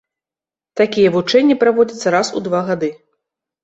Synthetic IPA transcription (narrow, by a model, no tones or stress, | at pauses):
t̪akʲijɛvut͡ʂɛnʲːipɾavɔd͡zʲɐt̪sːɐɾasud̪vaɣad̪ɨ